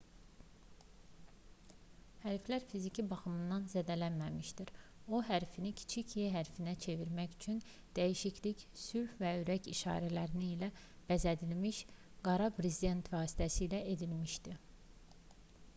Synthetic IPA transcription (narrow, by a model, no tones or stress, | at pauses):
hæɾflæɾfizicʰibɑxɯmɯnd̪ɑnzæd̪ælænmæmiʃd̪iɾo̞ɦæɾfinicʰi̥t͡ʃʰicʰjeɦæɾfinæt͡ʃʰe̞viɾmæçyt͡ʃʰyn | d̪̥æjiʃicʰlicsyɾfvæyɾæciʃɑ̰ːɾælæɾiniːlæ | b̥æzæd̪ilmiʃ | ɡ̥ɑɾɑpʰɾezid̪e̞nt̪ʰvɑːsi̥t̪ʰæsijlæʔe̞d̪ilmiʃd̪i